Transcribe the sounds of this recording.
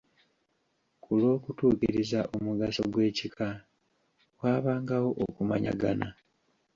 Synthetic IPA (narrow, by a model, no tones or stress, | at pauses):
kulo̞ːkutuːkiɾizaʔomuɡasoɡwe̞ːcika | waːβaːŋɡawo̞ʔokumaɲa̰ɡana